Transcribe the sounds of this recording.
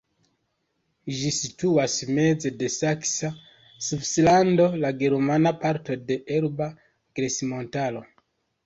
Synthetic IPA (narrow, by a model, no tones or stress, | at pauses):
ʒisituasme̞d͡ze̞de̞saksa | subslando̞laɡe̞ɾmanapaɾto̞de̞ʔeɾba | ɡ̥ɾesimo̞ntalo̞